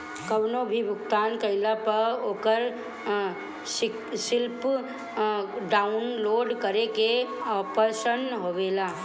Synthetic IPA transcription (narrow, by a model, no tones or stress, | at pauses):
kəʋnobʱibʱʊkt̪aːnkəɪlapəɾoːkəɾ | sɪ | sɪlp | ɖaːʊnloːɖkəɾekeɔpəɾsənɦoːʋeːlaː